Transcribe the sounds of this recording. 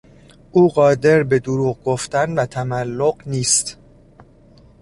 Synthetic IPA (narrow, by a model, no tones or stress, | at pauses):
ʔuːɢɒːd̪e̞ɾbe̞d̪oɾuːɣɡo̞ft̪ænvæt̪ʰæmælːoɢniːst̪